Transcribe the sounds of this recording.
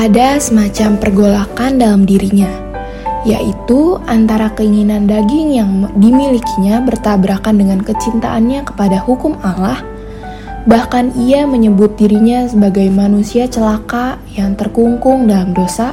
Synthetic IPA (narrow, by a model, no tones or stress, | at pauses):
ʔadasəmat͡ʃampərɡolakandalamdiɾiɲa | jaʔit̪uʔant̪aɾakəiŋinandaɡɪŋjaŋdimilikiɲabərt̪abɾakandəŋankət͡ʃint̪a̰ʔanɲakə̥padahukʊmalah | bahkaniaməɲəbʊt̪̚diɾiɲasəbaɡajmanusiat͡ʃəlakajaŋt̪ərkuŋkʊŋdalamdosa